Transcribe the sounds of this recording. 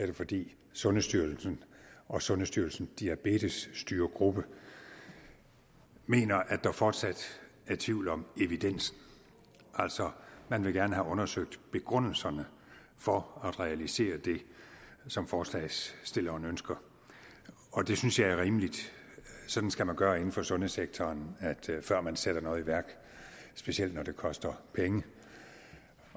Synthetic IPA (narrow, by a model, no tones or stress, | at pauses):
æɐd̥efɒ̽d̥ḭː | sɔ̽nəsd̥yɐlsn̩ɒ̽sɔ̽nəsd̥yɐl̩sn̩d̥iæb̥e̝̰ːd̥əsːd̥yːɐɡ̥ʁub̥ə | me̝̰ːnɐʔædd̥ɑ̈fɒːd̥sæd̥ | æɐt͡sʰʋiʊlɒ̽me̝ʋid̥en̰sn̩ | ʔæl̰sɒ̽mænʋe̝ɡ̥æɐnəɦæʔɔ̽nɐsøɡ̥̚d̥b̥e̝ɡ̥ʁɔn̰l̩sɐnə | fɒ̽æd̥ʁɛælise̝̰ːɐd̥e̝ | sɒ̽mfɒːslɛɪsːd̥e̝lɐɒnønsɡ̥ɐ | ɒ̽d̥e̝synsjɑ̈ɪæɐʁiːməlid̥ | sɒ̽d̥n̩sɡ̥æmænɡ̥ɶːɐe̝n̩fɒ̽sɔ̽nəseɡ̥̚t͡sʰɒːnæd̥fɶɐ̰mænsed̥ɐnɔ̽ːð̩ˠiʋæɐ̰ɡ̥ | sb̥e̝siel̰d̥nɒd̥e̝kʰɒ̽sd̥ɐpʰeŋə